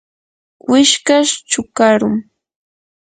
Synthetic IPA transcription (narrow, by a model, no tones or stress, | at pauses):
wɪʃkaʃt͡ʃʊkaɾʊŋ